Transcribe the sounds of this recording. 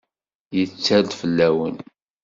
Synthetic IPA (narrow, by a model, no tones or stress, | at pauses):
jət͡sːæld̪fəlːæwən